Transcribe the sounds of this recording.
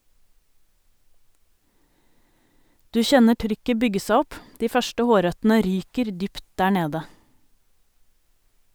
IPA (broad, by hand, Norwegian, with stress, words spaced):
ˈdʉː ˈçɛnə ˈʈɾʏkə ˈbʏɡə ˈsæ ˈɔp ˈdiː ˈfœʃʈə ˈhoːˌɾœtn̩ə ˈɾyːkəɾ ˈdʏpt ˈdæː ˈɳeːdə